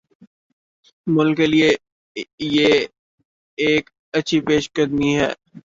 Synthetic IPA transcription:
mʊlkːelie | je | eːk | ɐtːʃʰipeːʃɡəd̪miɦɛ̰ː

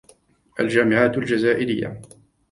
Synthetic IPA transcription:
ʔa̰ld͡ʒaːmɪʕaːt̪ald͡ʒazaːʔɪɾɪjːa̰

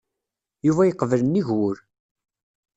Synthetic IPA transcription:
juvæjəqːvələnːiʝwʊɾ

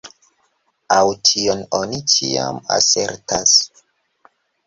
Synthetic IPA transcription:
awtʰiononit͡ʃia̰ma̰se̞ɾtas

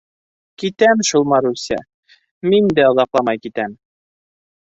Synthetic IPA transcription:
kit̪æmʃulˠmɑɾusʲæ̰ | mind̪æŏðɑqlˠɑmɑjkit̪æm

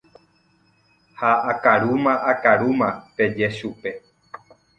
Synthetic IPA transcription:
haːkaɾumãʔakaɾumãpe̞d͡ʒeʃupe̞

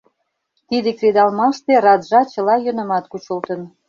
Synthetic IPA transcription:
t̪id̪ekred̪ɑlmɑʃt̪eɾɑd̪ʒɑt͡ɕɤ̆lɑjø̆nə̆mɑt̪kut͡ɕəlt̪ə̆n

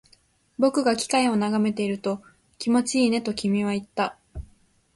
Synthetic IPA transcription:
bo̞kɯ̟ɡakʲi̥kaio̞naɡame̞t̪e̞iɾɯ̟t̪o̞ | kʲimo̞t͡ɕiːne̞t̪o̞kʲimʲiβ̞ait̪ːa

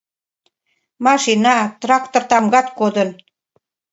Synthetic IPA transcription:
mɑʃinɑt̪rɑk̚t̪ort̪ɑmɡɑt̪kod̪ən

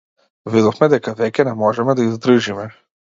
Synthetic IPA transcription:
vid̪ɔfmɛd̪ɛkavɛcʲɛnɛmɔʒɛmɛd̪aizd̪ɾ̩ʒimɛ

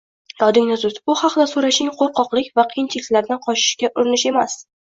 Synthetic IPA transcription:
d̪̥ɒd̪ɪŋnazʊt̪bʊhɑqd̪asoɾaʃɪŋqʰoɾqɒqlˠɪkʲvaqʰijɪnt͡ʃʰilɪkʲlaɾd̪anqʰɒʃɪ̥ʃkʲaʔʊɾɪnɪʃe̞mas

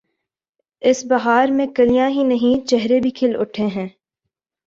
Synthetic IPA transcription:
ɪsbɐɦaːɾmẽkɐlijãɦinɐɦĩt͡ʃɛɦɾebʱikʰɪlʊ̰ʈʰeɦɛ̃ː

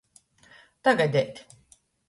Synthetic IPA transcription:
t̪aɡad̪ɛt̪ʲ

